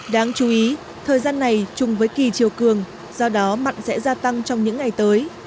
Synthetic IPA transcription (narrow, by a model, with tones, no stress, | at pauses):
ɗaː˨˧ŋt͡ɕu˨˦ʔi˨˦ | t̪ʰəː˨˩jzaː˧nːa˨˩jt͡ɕʊ˨˩ŋ͡mvəː˨˦jki˨˩t͡ɕi˨˩əwkɨ˨˩əŋ | z̥ɔ˧ɗɔ˨˦ma̰˧˨jŋ̟sɛ̰˧˥zaː˧t̪a˧ŋt͡ɕɔ˧wŋ͡mɲɨ̰˧˥ŋːa˨˩jt̪əː˨˦j